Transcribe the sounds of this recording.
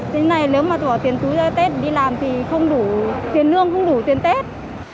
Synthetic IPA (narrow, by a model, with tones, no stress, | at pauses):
te˨˦na˨˩jleː˨˦wmaː˨˩t̪wt̪i˨˩ənt̪u˨˦zaː˧t̪e˦˥t̚ɗi˧laː˨˩mt̪ʰi˨˩xə˧wŋ͡mɗu˧˩t̪i˨˩ənːɨ˧əŋxə˧wŋ͡mɗu˧˩t̪i˨˩ənt̪e˦˥t̚